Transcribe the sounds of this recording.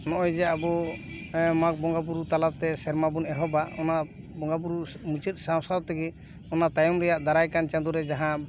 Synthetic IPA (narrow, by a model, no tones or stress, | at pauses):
nɔʔɔjd͡ʒɛabɔ | mak̚bɔŋɡabuɾut̪alat̪ɛsɛɾmabunɛɦɔbaɔna | bɔŋɡab̬uɾumut͡ʃət̪̚ˀsawsad̪t̪ɛɡɛ | ɔnat̪ajɔmɾɛjaʔd̪aɾajkant͡ʃãnd̪uɾɛd͡ʒaɦã